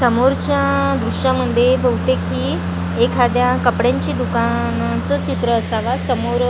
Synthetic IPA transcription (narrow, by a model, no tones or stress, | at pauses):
səmoɾt͡ɕjad̪ɾuʂãməd̪ʱjebʱəwt̪ekɦiː | ekʰad̪jakəpɽjãɲt͡ɕiːd̪uka | nat͡sət͡ɕit̪ɾəːsaʋasəmoɾ